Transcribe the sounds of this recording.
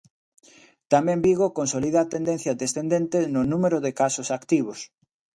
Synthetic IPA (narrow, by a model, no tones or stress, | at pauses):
t̪amɛ̃mbiɣokonsoliðat̪end̪ẽn̟θjad̪esθend̪ent̪enʊnũmeɾoðɪkasosakt̪iβ̞os